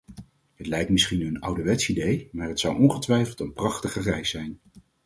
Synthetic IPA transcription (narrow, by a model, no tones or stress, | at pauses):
ɦətlɛjk̚tmɪsχinənʌwdəʋɛtsidejmaːɹɦətsʌwʔɔnχətʋɛjfəlˠtənprɑχtəχərɛjsɛjn